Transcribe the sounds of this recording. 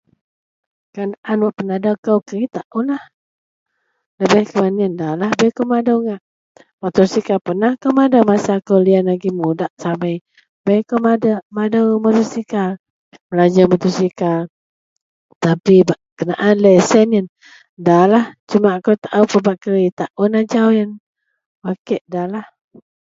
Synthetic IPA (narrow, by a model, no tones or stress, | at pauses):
kanʔanwaʔpənahdakəwkəɾit̪aʔulah | ləbɛhkəmaniəndalahbɛjkowmadəwŋaʔ | mat̪usikapənahkawmadəmasakəwlianlaɡimudaʔsabəj | bɛjkawmadəmadəwmat̪usika | məlad͡ʒamat̪usika | t̪apibaʔkənaʔanləsɛnən | dalaht͡ʃumakot̪aʔawpəbaʔkəɾit̪aʔunad͡ʒawən | bakəʔ̚dalah